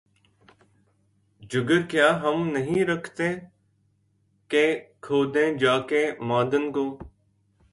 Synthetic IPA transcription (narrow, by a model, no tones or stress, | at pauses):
d͡ʒʊɡəɾkɪjaːɦəmnəɦĩːɾəkʰt̪ẽː | kẽːkʰoːd̪ẽːd͡ʒaːkẽːmãːd̪ənkõː